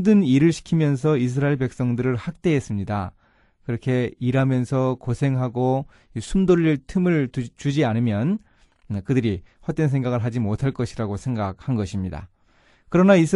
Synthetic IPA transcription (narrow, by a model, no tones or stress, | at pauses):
dɯniɾɯɭɕʰi̥kʰimjʌns̬ʰʌis̬ʰɯɾaiɭpe̞k̚s͈ʌŋdɯɾɯɭhak̚t͈eɦes͈ɯmɲida̰ | kɯɾʌkʰe̞iɾɦamjʌnsʰʌkosʰe̞ŋɦaɡo | isʰumdoʎːiɭtʰɯmɯɭt͡ɕud͡ʑianɯmjʌn | kɯdɯɾihwʌt͈ensʰeŋɡaɣɯɭɦad͡ʑimotʰaɭk͈ʌɕʰiɾaɡosʰe̞ŋɡak̚hanɡʌɕʰimɲida̰ | kɯɾʌnaisʰ